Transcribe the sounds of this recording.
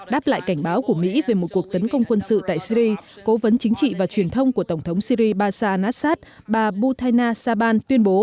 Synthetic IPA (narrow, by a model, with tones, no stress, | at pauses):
ɗaː˦˥pla̰ː˧˨jka˧˩jŋ̟ɓaː˨˦wku˧˩əmḭ˧˥ve˨˩mo˨˩ku˨˩ək̚t̪ə˨˦nkə˧wŋ͡mkwə˧nsɨ̰˧˨t̪a̰ː˧˨jsi˧ɾi˧ko˨˦və˨˦nt͡ɕï˨˦ŋ̟t͡ɕḭ˧˨vaː˨˩t͡ɕwi˨˩ənt̪ʰə˧wŋ͡mku˧˩ət̪ə˧˩wŋ͡mt̪ʰə˨˦wŋ͡msi˧ɾi˧ɓaː˧saː˧ʔnaː˦˥saː˦˥t̚ | ɓaː˨˩ɓu˧t̪ʰaː˧jnaː˧saː˧ɓaː˧nt̪wi˧ənɓo˨˦